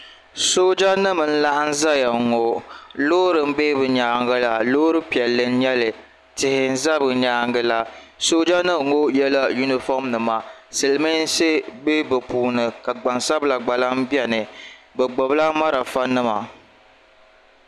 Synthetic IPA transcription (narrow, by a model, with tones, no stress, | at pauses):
so˦d͡ʒa˦nɨ˦mɨ˨n̩˦la˦ʔa˦n̩˦za˦ja˨ŋo˨lo˦ɾɨ˨m̩˦be˦bɨ˨ɲaː˨˦ŋɡɨ˦la˨loː˦ɾɨ˦pi˨ɛ˨lːɨ˦n̩˦ɲɛ˦lɨ˨ | tɪ˨hɪ˨n̩˦za˦bɨ˨ɲaː˦ŋɡɨ˦la˨ | so˦d͡ʒa˦nɨ˦˨ŋo˦jɛ˦la˦ju˦ni˦fɔ˦mnɨ˨ma˨sɨ˨lɨ˨mɨ˦n̩˦se˦be˦bɨ˨puː˨nɨ˨ka˨ɡ͡ba˨nsa˦bla˨ɡ͡ba˨la˦m˦bi˦ɛ˦nɨ˨bɛ˨ɡ͡bo˨bla˦ma˦ɾa˨fa˦nɨ˦ma˨